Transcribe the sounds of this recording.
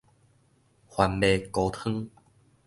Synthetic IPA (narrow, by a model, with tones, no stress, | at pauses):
hwa˧nbe˧ko˧t̪ʰɨ˦ŋ